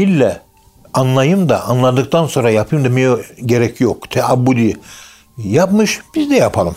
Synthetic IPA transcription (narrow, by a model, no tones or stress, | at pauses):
ilʲːɛ | anlˠajɯmd̪aʔanlˠad̪ɯk̚t̪ʰanso̞nɾajapʰɯjɯmd̪emejoɟe̞ɾɛcʰjokt̪ʰɛabːud̪i | japmɯʃb̥izd̪ɛjapʰalˠɯm